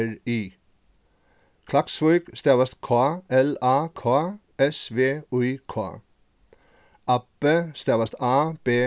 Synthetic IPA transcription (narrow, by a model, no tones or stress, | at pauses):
ɹiː | kʰlɑksʋɔʏkst̪eːʋəst̪kʰoːɛlɑːkʰoː | ɛsʋeːʉkʰo̰ː | ɑpəst̪eːʋɐst̪ɑːb̥eː